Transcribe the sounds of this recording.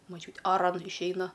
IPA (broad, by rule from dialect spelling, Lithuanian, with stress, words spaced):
moːˈt͡ʃʲuːtʲeː ɐˈrɐn ɪʃʲˈɛɪnɐ